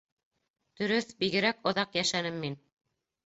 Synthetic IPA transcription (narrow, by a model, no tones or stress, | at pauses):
d̪̥ɵ̆ɾɵθbiɡɘ̆ɾækŏðɑqjæʃænɘmːin